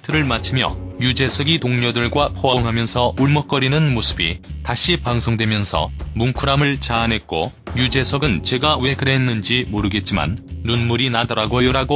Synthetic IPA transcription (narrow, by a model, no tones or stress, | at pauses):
tʰɯɾɯɭmat͡ɕʰɯmjʌ̰jud͡ʑe̞sʰʌɡitoŋɲʌdɯɭɡwapʰoaŋɦamjʌnsʰʌuɭmʌk̚k͈ʌɾinɯnmosʰɯ̥bḭtaɕʰipaŋsʰoŋdwe̞mjʌnsʰʌ̰muŋkʰuɾamɯɭt͡ɕaːnɦe̞t̚k͈ojud͡ʑe̞sʰʌɡɯnt͡ɕe̞ɡawe̞kɯɾenːɯnd͡ʑimoɾɯɡe̞t̚t͡ɕ͈ima̰nːunmuɾinadʌɾaɡojoɾaɡo